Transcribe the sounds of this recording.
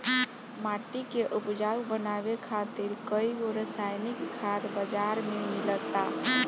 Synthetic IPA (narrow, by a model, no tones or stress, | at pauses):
maʈikeʔupd͡ʒawbənabekʰat̪iɾkəjɡoɾəsajnikʰːad̪bəd͡ʒaɾmemilət̪a